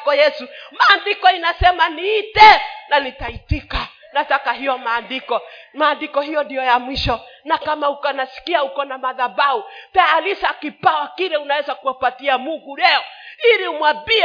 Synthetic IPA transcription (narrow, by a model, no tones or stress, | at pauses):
kɔjɛsumaːndikɔinasɛmaniːtɛnanitaitika | natakaɦijɔmaːndikɔmaːndikɔɦijɔndijɔjamwiʃɔnakamaukanasi̥kiaukɔnamaðabautaalisakipawakiɾɛunawɛzakuapatiamuŋɡulɛɔiliumwabiɛ